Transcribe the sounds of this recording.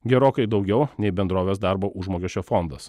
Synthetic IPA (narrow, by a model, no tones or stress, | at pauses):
ɡʲɛɾoːkɐɪd̪ɒʊɡʲɛʊnʲɛɪbʲɛnd̪ɾoːʋʲeːsd̪ɑˑɾboːʔʊʒmoːkʲɛʃʲt͡ʃʲoːfɔnd̪ɐs